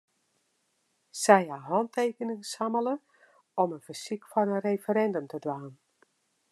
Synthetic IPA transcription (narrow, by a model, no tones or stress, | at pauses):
sɛjɦaɦɔnteːkənəŋsamələ | ɔmənfərsikfɔnənrejfəɾɛndəmtədwaːn